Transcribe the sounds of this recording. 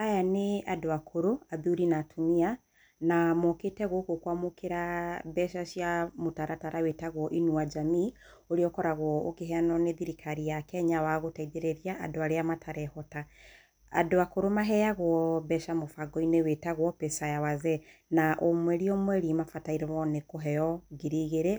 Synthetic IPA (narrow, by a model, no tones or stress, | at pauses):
ajaneadoakʰoɾoaðiuɾinatʰumia | namoketɛɣokokwamokeɾabɛʃaʃjamotaɾʔataɾʔawetaɣwɔʔinuad͡ʒami | oɾeɔkɔɾaɣwɔokeɦɛanɔneðiɾikʰaɾijakɛɲawaɣotaiðeɾeɾiaa̰doaɾeamatʰaɾɛhɔta | a̰doakoɾomaɦɛjaɣwɔbɛʃamofaɡɔinewetaɣwɔpɛsajawazɛnaʔomwɛɾiɔmwɛɾimafataiɾemɔnekoɦɛjɔɣiɾiɣeɾe